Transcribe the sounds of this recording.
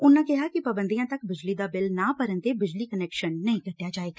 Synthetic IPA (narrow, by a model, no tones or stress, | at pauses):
ʊnːãːkɪɦaːkɪpəbə̃nd̪ijãːt̪əkbɪd͡ʒliːd̪aːbɪlnãːpəɾənt̪eːbɪd͡ʒliːkənɛːkʃənːəĩːkəʈːjaːd͡ʒaːeːɡa